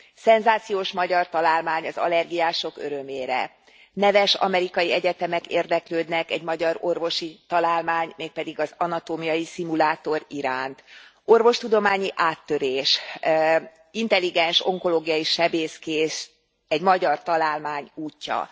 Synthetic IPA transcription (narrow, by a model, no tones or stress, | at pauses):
sɛnzaːt̪sijoːʃmɒɟɒrt̪ɒlaːlmaːɲɒzɒ̰lɛrɡijaːʃo̞køɾø̞meːɾɛ̰ | nɛvɛʃɒ̰mɛɾikɒjiɛɟɛt̪ɛmɛkeːrd̪ɛkløːd̪nɛkɛɟmɒɟɒɾo̞rvo̞ʃit̪ɒlaːlmaːɲmeːk̚pɛd̪iɡɒzɒnɒt̪oːmijɒjisimulaːt̪o̞ɾiɾaːnt̪ | o̞rvo̞ʃt̪ud̪o̞maːɲiʔaːt̪ːø̞ɾeːʃ | int̪ɛlːiɡɛnʃo̞ŋko̞loːɡijɒjiʃɛbeːskeːʃ | ɛɟmɒɟɒrt̪ɒlaːlmaːɲuːcːɒ̰